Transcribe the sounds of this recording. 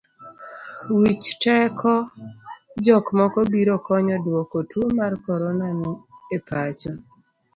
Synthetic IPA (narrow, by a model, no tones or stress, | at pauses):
wit͡ʃtɛkʰɔ | d͡ʒɔkmɔkɔbiɾɔkɔɲɔdwɔkɔtuomarkɔɾɔnaniepʰat͡ʃɔ